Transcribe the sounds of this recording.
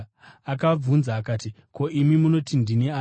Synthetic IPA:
akab͡vunzaːkaːti | kʰo̞ʔimimuno̞tindinia

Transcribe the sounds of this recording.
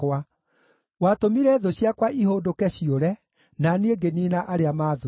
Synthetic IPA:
wa | watomiɾɛðoɕjakwaʔiɦoːndokɛɕioɾɛ | naneŋɡeninaʔaɾeamaːðo

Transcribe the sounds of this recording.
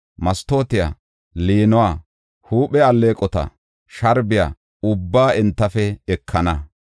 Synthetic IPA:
mɐst̪o̞ːt̪ɪja̰ː | liːnʊwaː | huːɓɛɐlːeːkʼɔt̪ɐ̰ | ʃɐɾbɪja̰ː | ʊbːaːɛnt̪ːɐfɛɛkʰːɐnɐ

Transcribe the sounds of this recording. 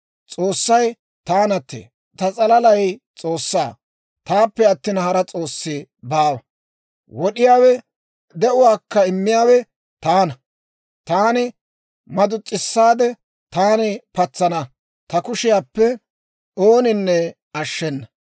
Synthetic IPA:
t͡sʼo̞ːsːɐj | t̪aːnɐt̪ːḛː | t̪ɐt͡sʼɐlɐlɐjt͡sʼo̞ːsːaː | t̪aːpːɛɐt̪ːiːnɐhɐɾɐt͡sʼo̞ːsːɪbaːwɐ | wɔɗɪjaːwɛ | d̪ɛʔʊwaːkːɐɪmːɪjaːwɛ | t̪aːnɐ | t̪aːnɪ | mɐd̪ʊt͡sʼːɪsːaːd̪ɛ | t̪aːnɪpɐt͡sːɐnɐ | t̪ɐkʊʃɪjaːpːɛ | oːnɪnːɛ | ɐʃːɛnːɐ

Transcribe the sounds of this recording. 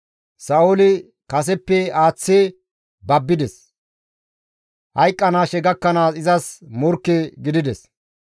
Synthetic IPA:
sɐolɪ | kɐs̬ɛpːɛaːt͡sːe | bɐbːɪd̪ɛs | hɐjkʼːɐnaːʃɛɡɐkːɐnaːsɪzɐsmɔɾkːɛɡɪd̪ɪd̪ɛs

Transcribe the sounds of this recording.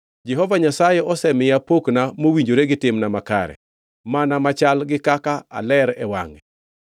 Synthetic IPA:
d͡ʒɛɦɔvaɲasajɛɔsɛmɪjapoknamowiɲd͡ʒoɾeɡɪtɪmnamaka̰ɾɛ̰ | manamat͡ʃalɡɪkakaa̰lɛɾɛwa̰ŋɛ

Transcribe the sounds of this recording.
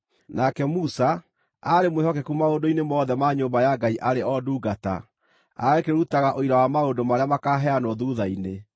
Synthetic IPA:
nakɛmusa | aɾemwehɔkɛkumaondoinemɔðɛmaɲoːmbajaɡaiʔaɾeʔɔduːɡata̰ | a̰ɣekeɾutaɣaʔoiɾawamaondomaɾeamakaɦɛanɔðuðaine

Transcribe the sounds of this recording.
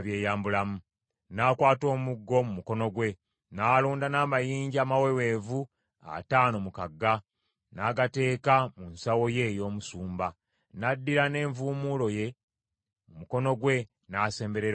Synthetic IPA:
βje̞ːjaːmbulamu | naːkwaːto̞ːmuɡːo̞mumuko̞no̞ɡwe̞ | naːluːndanaːmajiːɲɟiaːmawe̞we̞ːvu | a̰taːno̞mukaɡːa | naːɡate̞ːkamunsawo̞je̞jo̞ːmusuːmba | nadːiɾane̞ːɱvuːmuːlo̞je̞ | mumuko̞no̞ɡwe̞ | naːse̞ːmbe̞ɾeɾ

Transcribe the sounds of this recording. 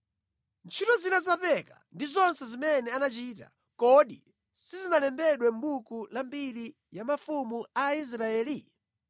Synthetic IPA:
nt͡ʃʰitɔzinazapɛka̰ndizɔnsɛzimɛnɛanat͡ʃiːta̰ | kɔɗḭ | sizinalɛmbɛɗwɛm̩ɓukulambiɾi | jamafumuais̬ɾaɛːli

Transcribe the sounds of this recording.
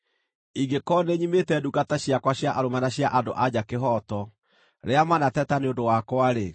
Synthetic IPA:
iɡekɔːneɲimetɛduɡataɕjakwaɕjaʔaɾomanaɕjaʔado̰ʔad͡ʑakeɦɔːtɔ | ɾeamanatɛtaneondowakwaɾe

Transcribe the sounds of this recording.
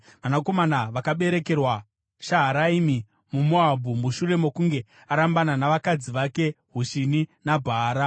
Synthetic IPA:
ʋanako̞manaʋakaɓe̞ɾe̞ke̞rwa | ʃaɦaɾaimi | mumoabʱumuʃure̞mo̞kuŋɡe̞ | aɾambananaʋakad͡ziʋake̞ | ɦuʃininabʱaːɾa

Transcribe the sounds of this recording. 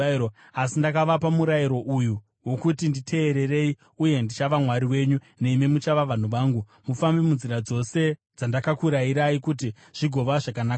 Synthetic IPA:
o | asindakaʋapamuɾajiɾo̞ʔuju | wo̞kutinditʰe̞ːɾe̞ɾe̞i | uje̞ndit͡ʃaʋamwaɾiwe̞ɲu | ne̞imimut͡ʃaʋaʋan̤uʋaːŋɡu | mufambimunziɾad͡zo̞se̞ | d͡zandakakuɾaiɾaikut̬i | ʐ̥iɡʱo̞ʋaʐakanaːka

